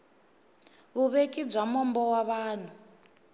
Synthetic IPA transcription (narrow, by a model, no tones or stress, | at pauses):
βuβekib͡ʐamɔmbɔwaβaːn̤u